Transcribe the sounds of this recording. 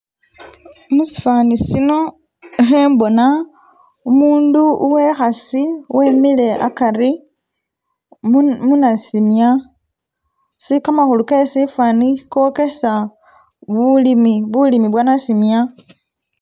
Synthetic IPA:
musi̥fanisino̞ | exembo̞na | umuːnduuwe̞xasiwemile̞ʔa̰kari | munasimja | sikamaxulukesifanikoke̞sa | βulimiβulimiβwanasimja

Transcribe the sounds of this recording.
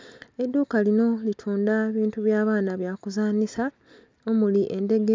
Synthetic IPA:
e̞dːuːkalino̞litʰuːndaeβiːntuβjaːβaːnaβjaːkuzaːnisa | o̞muliʔe̞nde̞ɡe

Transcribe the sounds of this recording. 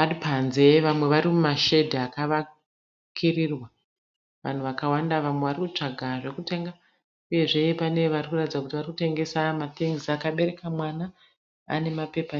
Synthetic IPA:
adipanze̞ʋamwe̞ʋaɾimumaʃe̞dʱiakaʋa | kʰirirwa | ʋa̰n̤uʋakawandaʋamwe̞ʋarikut͡ʂaɡʱaʐe̞kute̞ŋɡa | uje̞ʐe̞pane̞ʋarikuratid͡zakutiʋarikute̞ŋɡe̞samat̪iŋzakaɓe̞ɾe̞kamwana | a̰ne̞mape̞pa

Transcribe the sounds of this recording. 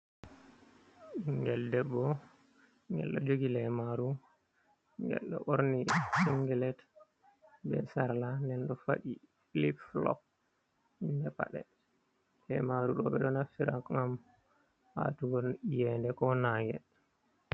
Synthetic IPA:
ŋɡɛldɛbːɔ | ŋɡɛ̰lɗɔ̰d͡ʒoɡilɛmaɾu | ŋɡɛ̰lɗɔ̰ʔoɾnisiŋɡɛlɛt | bɛ̰saɾlanɛnɗɔfaɗi | filipflɔ̰k̚ | indɛpa̰ɗɛ̰ | lɛmaɾuɗɔ̰ɓɛɗɔnafiɾakŋam | ha̰tuɡɔjɛndɛkɔnaŋɡɛ̰

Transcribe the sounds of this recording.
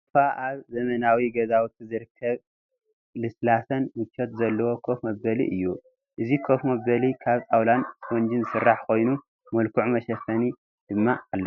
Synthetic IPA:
faʔaβzɐmɐnawiɡɐzawut̪ʰizɨɾɨkʰːɐβ | lɨslasɐnmɨt͡ʃʰːot̪zɐlːɐwo̞kʰo̞fmɐbɐlḭʔɨ̰jːu | ʔɨzikʰo̞fmɐbɐlikʰaβt͡sʼawlansond͡ʒinzɨsɨrːaħkʰo̞jnu | mɐlkʰuʕumɐʃɐfɐni | d̪̥ɨmːaalːɐ

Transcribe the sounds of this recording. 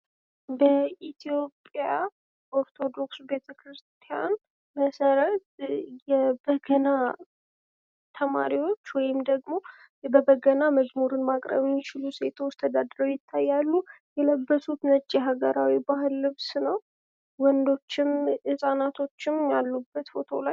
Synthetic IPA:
bəʔit̪ʰijo̞pʼja | ʔoɾt̪ʰo̞d̪o̞ksbe̞t̪ʰəkɾɨst̪ʰija̰n | məsəɾət̪̚jɛbəɡəna | t̪ʰəma̰ɾiwo̞t͡ʃːwɔjɪmd̪əɡmo̞ | bəbəɡənaməzmuɾɨnmakʼɾə̰βmɪt͡ʃɪluse̞t̪ʰo̞t͡ʃt̪ʰəd̪ad̪ɾəwjɪt̪ʰːajːalːujɛləbːəsut̪nət͡ʃʼːiɦaɡəɾawibahɨlːɨβsnəw | wɔnd̪o̞t͡ʃːɪmʔɨsʼanat̪ʰo̞t͡ʃːɪmjalːubːət̪fo̞̰t̪ʰo̞̰laj

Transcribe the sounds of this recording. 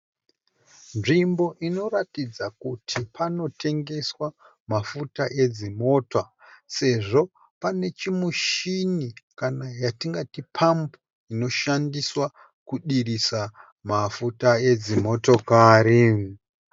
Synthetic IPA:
nʐimbo̞ʔino̞ratid͡zakutʰipʰano̞tʰe̞ŋɡe̞swa | mafutaʔe̞d͡zimo̞ːtwase̞ʐo̞ | pane̞t͡ʃimuʃinikanajatiŋɡatipʰambo | ino̞ʃandiswa | kuɗirisa | mafutae̞d͡zimo̞to̞kaːɾi

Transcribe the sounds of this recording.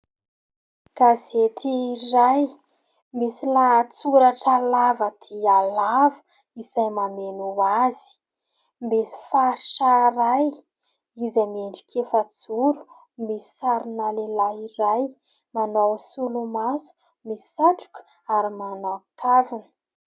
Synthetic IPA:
ɡ̥azet̪ʰiːraj | misilaːt͡suɾaʈ͡ʂalavəd̪̥ialavə̥ | isajmamenuazi̥ | mesi̥faɾʃaɾaj | izameɳɖ͡ʐi̥kʰʲefat͡suɾu̥ | misi̥saɾinalelaiɾaj | manowsulumasu̥ | misi̥saʈ͡ʂu̥ku̥ | aɾimanoakʰavinə

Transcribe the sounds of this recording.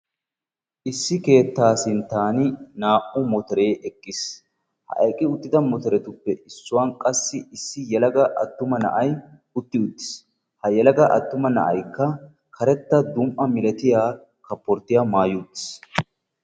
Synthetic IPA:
ʔɪsːɪke̞ːt̪ːaːsɪnt̪ːaːnɪnaːʔʊmɔt̪ɔɾe̞ːʔɛkʼːɪs | hɐ̰ʔɐ̰jkʼːɪʊt̪ːɪd̪ɐmɔt̪ɔɾɛt̪ʊpːɛʔɪsːʊwaːnkʼɐsːɪɪsːɪjɛlɐɡɐʔɐ̰t̪ːʊmɐnɐ̰ʔɐj | ʊt̪ːɪʊt̪ːɪ̥s | hɐjɛlɐɡɐʔɐt̪ːʊmɐnɐ̰ʔɐjkːɐ | kʰɐɾɛt̪ːɐd̪ʊmʔɐmɪlɛt̪ɪjaː | kɐpːɔɾt̪ːɪjamaːjut̪ːɪ̥s

